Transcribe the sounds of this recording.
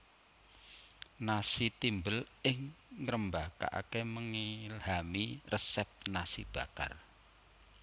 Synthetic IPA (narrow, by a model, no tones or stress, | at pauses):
nasit̪imbəlɪŋːɾəmbaka̰ʔa̰keməŋilhamirʔəsɛp̚t̪nasḭb̥a̤ka̰r